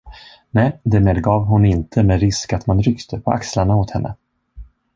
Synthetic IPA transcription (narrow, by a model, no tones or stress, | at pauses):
nɛjd̪æmeːd̪ɡɑːvɦʊnɪnt̪ʰəmeːɾɪskat̪manɾʏkt̪ʰəpʰɔʔa̰kslaɳaot̪hɛnːʔə̰